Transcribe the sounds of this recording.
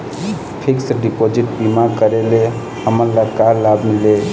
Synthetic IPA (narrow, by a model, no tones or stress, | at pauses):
pʰiksɖipod͡ʒiʈpimakəɾele | həməɾlakaɾlabmile